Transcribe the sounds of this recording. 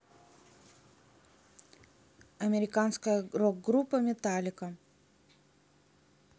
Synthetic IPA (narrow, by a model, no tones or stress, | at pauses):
ɐmʲɪɾʲɪkanskəjərok̚ɡɾupːəmʲɪt̪alʲɪkə